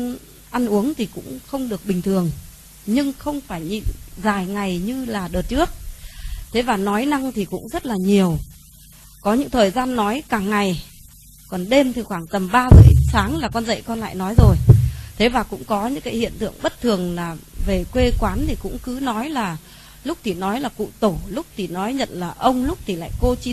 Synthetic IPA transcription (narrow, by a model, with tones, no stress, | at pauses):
n | ʔa˧nʔu˨˦əŋt̪ʰi˨˩kʊ̰˧˥ŋ͡mxə˧wŋ͡mɗɨ˨˩ək̚ɓï˨˩ŋ̟t̪ʰɨ˨˩əŋ | ɲɨ˧ŋxə˧wŋ͡mfaː˧˩jɲḭ˧˨nzaː˨˩jŋa˨˩jɲɨ˧laː˨˩ɗəː˨˩t̚t͡ɕɨ˦˥ək̚t̪ʰe˨˦vaː˨˩nɔ˨˦jna˧ŋt̪ʰi˨˩kʊ̰˧˥ŋ͡mzə˦˥t̚laː˨˩ɲi˨˩əw | kɔ˨˦ɲɨ̰˧˥ŋt̪ʰəː˨˩jzaː˧nːɔ˨˦jkaː˨˩ŋːa˨˩j | kɔ˨˩nɗe˧mt̪ʰi˨˩xwaː˧˩ŋt̪ə˨˩mɓaː˧zə̰ː˧˩jsaː˨˦ŋlaː˨˩kɔ˧nzə̰˧˨jkɔ˧nla̰ː˧˨jnɔ˨˦jzo˨˩jt̪ʰe˨˦vaː˨˩kʊ̰˧˥ŋ͡mkɔ˨˦ɲɨ̰˧˥ŋkaː˨˦jhḭ˧˨ənt̪ɨ̰˧˨əŋɓə˦˥t̚t̪ʰɨ˨˩əŋlaː˨˩ve˨˩kwe˧kwaː˨˦nt̪ʰi˨˩kʊ̰˧˥ŋ͡mkɨ˨˦nɔ˨˦jlaː˨˩ | lʊ˦˥k͡p̚t̪ʰi˨˩nɔ˨˦jlaː˨˩kṵ˧˨t̪o˧˩lʊ˦˥k͡p̚t̪ʰi˨˩nɔ˨˦jɲə̰˧˨nlaː˨˩ʔə˧wŋ͡mlʊ˦˥k͡p̚t̪ʰi˨˩la̰ː˧˨jko˧t͡ɕi˧˦